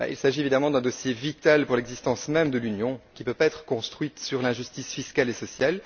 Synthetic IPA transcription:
ba̰ḭlsaʒievid̪amɑ̃d̪ɛ̃d̪ɔsjevit̪alpuʁlɛɡzist̪ɑ̃smɛmd̪əlynjɔ̃kʲipøpaɛt̪χə̥kɔ̃st̪χɥit̪syʁlɛ̃ʒyst̪isfiskalesɔsjal

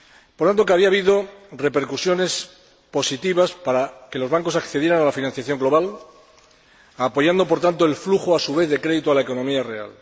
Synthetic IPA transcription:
poɾt̪ant̪o̞keaβiaβiðo̞re̞pe̞ɾkusjo̞ne̞s | po̞sit̪iβaspaɾake̞lo̞zβaŋko̞sakθe̞ð̞je̞ɾanalafinanθjaθjo̞ŋɡlo̞β̞al | apo̞ʝand̪o̞po̞ɾt̪ant̪o̞e̞lfluxoasuβ̞e̞θðe̞kɾe̞ðit̪oalaeko̞nomiarea̰l

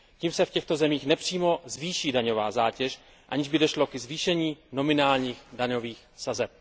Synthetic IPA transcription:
ciːmsɛfcɛxt̪o̞zɛmiːxnɛpr̝̥iːmo̞zviːʃiːdaɲo̞vaːzaːcɛʃ | ʔaɲɪʒbɪdo̞ʃlo̞kɛzviːʃɛɲiːno̞mɪnaːlɲiːxdaɲo̞viːxsazɛp̚

